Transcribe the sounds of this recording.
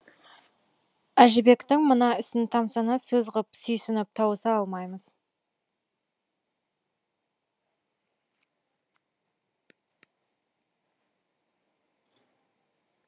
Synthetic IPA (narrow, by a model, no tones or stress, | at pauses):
æʒɪbe̞kt̪ɪŋmənɑɪsɪnt̪ʰɑmsɑnɑsɵzʁəpsʏjsɪnɪp̚t̪ʰɑwəsɑɑlˠmɑjməz